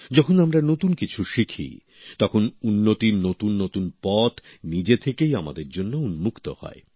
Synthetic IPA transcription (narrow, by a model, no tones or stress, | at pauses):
d͡ʑɔkʰonamɾanot̪unkit͡ɕʰuʃikʰḭ | t̪ɔkʰonunːot̪inot̪unːot̪unpɔt̪ | nid͡ʑet̪ʰekejama̰d̪eɾd͡ʑonːounmukt̪ohɔ̰e